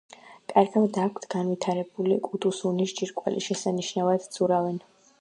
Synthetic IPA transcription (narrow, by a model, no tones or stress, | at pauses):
kʼaɾɡamd̪akʷʰt̪ʰɡ̥anvit̪ʰaɾɛbulikʼud̪usunisd͡ʒiɾkʼwa̰lḭʃɛsaniʃnavad̪z̥ʼuɾavɛn